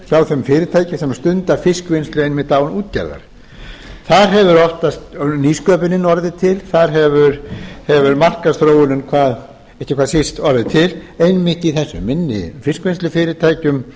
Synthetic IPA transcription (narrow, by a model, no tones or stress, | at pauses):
çawθœmfɪːɾɪt̪ʰaːjcɪsɛmst̪ʏnt̪afɪskvɪnst̪lʏejnmɪt̪aːwnuːt̪cɛ̰ɾða̰ɾ̥ | θaɾɦɛvʏɾɔht̪ast̪niːskœːpɪnɪnɔɾðɪt̪ʰɪlθaɾɦɛvʏɾhɛvʏɾmar̥kasθɾoːwʏnʏnkʰvaːð | ehcɪkʰvaðsɪst̪ɔɾðɪt̪ʰɪlejnmɪht̪iθɛsːʏ̰mːɪnːɪ̰fɪskvɪnst̪lʏfɪːɾɪt̪ʰaːjcʏm